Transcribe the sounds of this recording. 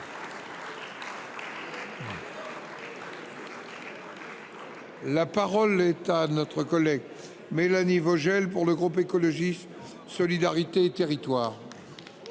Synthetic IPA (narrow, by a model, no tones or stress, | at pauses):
lapaʁɔlɛt̪anɔt̪χəkɔlɛɡ | melanivɔʒɛlpuʁləɡʁupekɔlɔʒist̪ | sɔlid̪aʁit̪eːt̪eʁit̪waːʁ